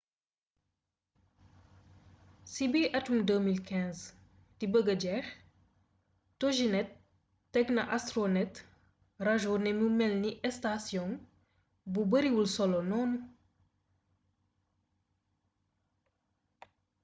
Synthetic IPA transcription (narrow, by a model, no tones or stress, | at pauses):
sibiʔɐtumdəmilkɛ̃nz | dibəɡəɟɛx | toʒinɛtː | ɛknɐ̰ʔastɾonɛt | raʒɔnɛmumɛlniʔɛstasjɔn | bubəɾiwulsɔlɔnɔm